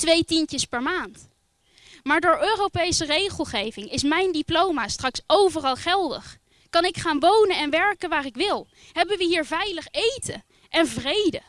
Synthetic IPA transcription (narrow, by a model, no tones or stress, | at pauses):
tʋejtinəspɛɹmaːnt | maːɹdʊːɹøːrowpejsərejχəlˠχejvɪŋɪsmɛjndiplowmaːstrɑksowvərɑlˠχɛlˠdə̰χ | kɑnɪkχaːnʋownənɛnʋɛɹkənʋaːrɪkʋɪlˠ | ɦɛbənʋəɦiːɹvɛjləχejtə | ɛnvrejdə